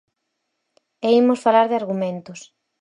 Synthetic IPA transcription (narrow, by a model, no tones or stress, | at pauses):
eimosfalaɾðɪaɾɣumẽnt̪ʊs